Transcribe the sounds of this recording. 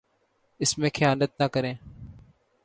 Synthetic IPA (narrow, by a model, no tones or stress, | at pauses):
ɪsmẽːkʰɪjaːnət̪̚naːkəɾẽː